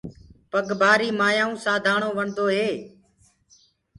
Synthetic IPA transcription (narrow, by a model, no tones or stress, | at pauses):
pəɡbʱaːɾiːmaːjãːũːsaːd̪ʱaːɳoːʋəɳd̪oːɦeː